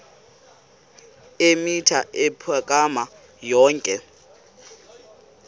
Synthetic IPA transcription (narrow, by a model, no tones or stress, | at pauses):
emitʰaʔepʰakʼama | jɔːŋkʼɛ